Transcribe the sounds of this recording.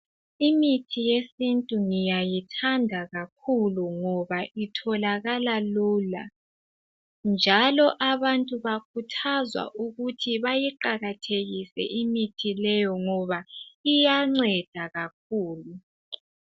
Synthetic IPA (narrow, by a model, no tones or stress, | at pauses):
imitʰijesintʼuŋijajitʰandʱaɣak̚ʰuluŋɔβaʔitʰɔlaɣalaluːla̰ | nd͡ʒʱalɔʔaβantʼuβakʰutʰazwa̰ʔuɣutʰiβajiǃaɣatʰeɣisɛ̰ʔimitʰilɛjɔŋɔβaijaŋ͡ǀɛd̥ʱaɣak̚ʰuːlu